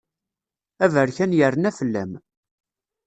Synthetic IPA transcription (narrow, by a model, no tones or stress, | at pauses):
ævəɾçænjərənæfəlːæ̰m